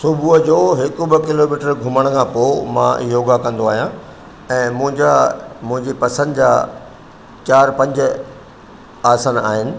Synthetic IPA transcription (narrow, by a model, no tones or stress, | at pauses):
sʊbʱud͡ʑoːɦɪkʊbɐkɪloːmiːʈəɾɡʱʊməɽ̃kʰãːpoːmã̰joːɡakɐ̃nd̪oaːɦijã | ɛ̃ːmʊ̃ɦɪ̃d͡ʑamʊ̃ɦɪ̃ɲd͡ʑipɐsə̃nd̪d͡ʑaː | t͡ɕaːɾpɐ̃ɲd͡ʑʊ̆ | aːsana̰ːɦɪnɪ̆